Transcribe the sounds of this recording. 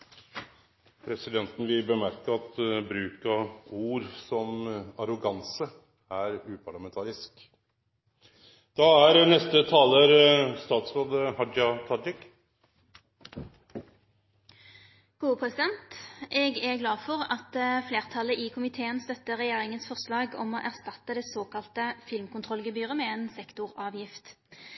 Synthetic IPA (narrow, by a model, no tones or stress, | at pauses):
pʰɾɛsɪd̪ɛnt̪n̩ʋɪbəmæɾkəɾɑt̪bɾʉːkəuːɾsɔmɑɾʊɡɑnsə | æɾʉːpʰɑɭɑmɛnt̪ʰɑːɾɪsk | d̪̥ɑːæɾnɛst̪ət̪ʰɑːləɾst̪ɑːt̪sɾoːd̪əhɑd͡ʒɑt̪ʰɑdɪk | ɡ̥uːəpʰʁɛsɪd̪ɛnt̪ʔɛːɡæɡlɑːfɔʁɑt̪fleːʁt̪ʰɑləʔɪkʰʊmɪt̪ʰeːənst̪œt̪ːəʁɛjeːʁɪŋənsfɔʁslɑːɡɔ̰moːʔæʁst̪ɑt̪ːəd̪ɛsoːkɑlt̪əfɪlmkʊnt̪ʰʁɔlɡəbyːʁəmɛeːnsɛkt̪ʊʁɑːʋjɪft̪